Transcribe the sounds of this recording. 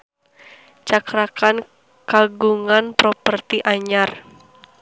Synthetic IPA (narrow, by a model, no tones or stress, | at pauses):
t͡ʃakɾakan | kaɡuŋanpɾɔpərt̪iʔaɲar